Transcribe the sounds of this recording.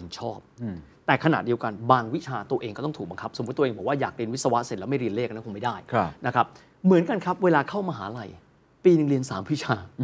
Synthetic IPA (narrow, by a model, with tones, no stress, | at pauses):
nt͡ɕʰɔː˥˩p̚t̪ɛː˨˩kʰa˧na˨˩t̪̚di˧əwka˧nbaː˧ŋwi˦˥t͡ɕʰaː˧t̪u˧ʔeː˧ŋkɔː˥˩ɔ˥˩t̪ʰuː˨˩ɓa˧ŋkʰa˦˥pso˩˦˥t̪ːbɔ˨˩waː˥˩jaː˨˩k̚ɾi˧nw̪̚sa˧wa˦˥ʔse˨˩lɛ˦˥ma˥˩ɾi˧əleː˥˩k̚na˥˩kʰːma˥˩jdaː˥˩jʰna˦˥kʰa˦˥p̚ | mɯ˩˦ənka˧nkʰa˦˥p̚weː˧laː˧kʰa˥˩wmaː˧ɦaː˩˦ɾa˨˧j | piː˧nɯ˨˧ŋɾi˧ənsaː˩˦mwi˦˥t͡ɕʰaː˧